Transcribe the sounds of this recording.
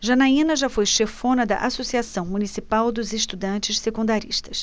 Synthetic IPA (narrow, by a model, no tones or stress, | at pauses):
ʒanaĩnɐʒafojʃefõnɐd̪ɐ̰ʔasosiasɐ̃w̃munisipawd̪ʊzeʃt̪ud̪ɐ̃t͡ʃɪʃsekũnd̪aɾḭʃt̪ɐs